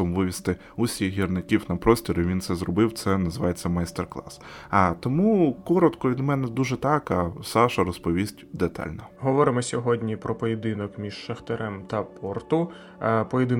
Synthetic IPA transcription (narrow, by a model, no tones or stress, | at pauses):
ɔmʋɪʋʲist̪ɪ | ʊsʲiɣɦʲirnɪkʲiwnɐpɾɔsʲtʲɔɾʊʋʲint̪sɛzrɔbɪwt̪sɛnɐzɪʋɑjet͡sʲːɐmɐjst̪erklˠɑ̰sɐt̪ɔmukɔɾɔt̪kɔʋʲid̪mɛnɛd̪uʒɛt̪ɑkɐsɑʃɐɾɔspɔʋʲisʲtʲd̪et̪ɑ̰lʲnɔɦɔʋɔɾɪmɔsʲɔɦɔdʲnʲipɾɔpɔjed̪ɪnɔkmʲiʃʃɐxt̪eɾɛmt̪ɐpɔrt̪ʊ | pɔjed̪ɪ